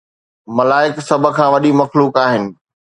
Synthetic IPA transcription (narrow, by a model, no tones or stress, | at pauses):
mɐlaːɪksɐbʱə̆kʰãːʋɐɗimɐxluːkaːɦɪnɪ̆